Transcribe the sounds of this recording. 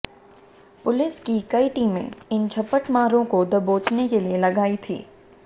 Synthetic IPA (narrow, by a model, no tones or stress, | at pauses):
pʊlɪskikɐiʈiːmḛ̃ɪnt͡ʃʰɐpəʈmaːɾõkod̪ɐboːt͡ʃnekelielɐɡaːit̪ʰḭː